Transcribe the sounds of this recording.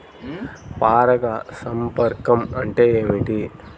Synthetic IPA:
paːɾɐɡasɐmpɐɾkɐmɐɳʈeeːʋiʈi

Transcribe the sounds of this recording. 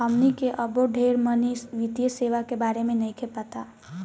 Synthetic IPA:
əmnikeʔəboɖʱeɾmənisʋid̪jəseʋakebaɾemenəjkepət̪a

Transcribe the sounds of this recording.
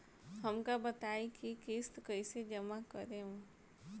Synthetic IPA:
hɐmkabət̪aːikikeːst̪kəised͡ʒɐmakəɾẽɦũ

